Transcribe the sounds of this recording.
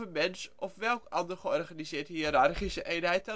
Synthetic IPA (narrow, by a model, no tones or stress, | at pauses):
əmɛnsɔfʋɛlˠkɑndərχəɔrχanizɪːthiəɾarχisəʔeːnɦɛjt̚ɔ